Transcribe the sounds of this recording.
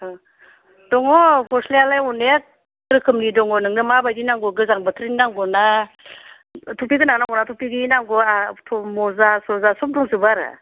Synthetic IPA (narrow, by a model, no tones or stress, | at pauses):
d̥ɔŋɔkɔslealajɔne | ɾɯkʰɯmnidɔŋɔnɯŋnɯmabajdinaŋɡɔɡɯzaŋbɯtʰɾinnaŋɡɔna | tʰɔpiɡɯnanaŋɡɔnatʰɔpiɡinaŋɡɔatʰɔmɔzasɔzasɔp̚dɔŋzɯbaɾa̰